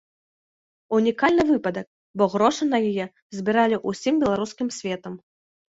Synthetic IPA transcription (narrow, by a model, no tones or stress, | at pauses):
unʲikalʲnɨvɨpɐd̪ɐk̚ | bɔɣɾɔʂɨnɐjijɛ | zʲbʲiɾalʲiʔusʲimbʲɛlˠaɾuskʲimsʲvʲɛt̪ɐm